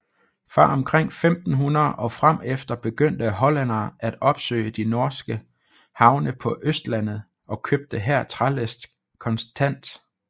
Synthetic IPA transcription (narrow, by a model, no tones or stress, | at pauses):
fɑ̈ʔɒ̽mkʰʁeŋ̰femd̥n̩ɦunɐðˠʔɒ̽fʁam̰efd̥ɐb̥e̝ɡ̥øn̰d̥əɦɒ̽lænɐːæd̥ɒ̽b̥sø̰ɪ̰əd̥ino̝ɐsɡ̥ə | hɑ̈ʊnəpʰɒ̽ʔøsd̥læn̰ð̩ˠ | ɒ̽kʰøb̥̚d̥əɦæɐ̰t͡sʰʁaləsd̥ | kʰɒ̽nsd̥ʰæn̰d̥